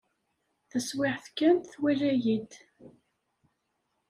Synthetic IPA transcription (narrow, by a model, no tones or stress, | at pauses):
θæswɪħθkːænt̪θwælæjid̪